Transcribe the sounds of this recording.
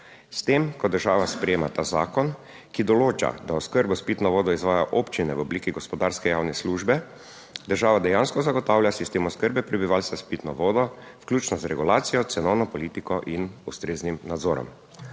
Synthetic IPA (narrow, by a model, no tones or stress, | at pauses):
st̪emkɔd̪əɾʒaːʋaspɾɛjeːmat̪aːzaːkɔn | kid̪ɔloːt͡ʃa̰d̪aɔskəɾbɔspiːt̪nɔʋɔːd̪ɔizʋaːjaʔɔpt͡ʃinɛwɔbliːkiɡɔspɔd̪aɾskɛjaːwnɛsluːʒbɛ | d̪əɾʒaːʋad̪ɛjanskɔzaɡɔt̪aːwlʲjasist̪eːmɔskəɾbɛpɾɛbiʋalst̪aspit̪nɔ̰ʋɔːd̪ɔfklʲuːt͡ʃnɔzɾɛɡulaːt̪sijɔt̪sɛnɔwnɔpɔliːt̪ikɔʔinust̪ɾeːznimnad̪zɔːɾɔ̰m